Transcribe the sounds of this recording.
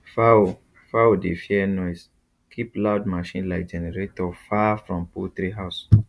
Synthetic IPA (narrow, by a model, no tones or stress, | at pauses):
fao | faodefiɛnɔɪs | kʰiplaʊdmaʃĩnlaɪk̚d͡ʒɛnɛɹetɔfafɹɔ̃mput̪ɾiɦaʊs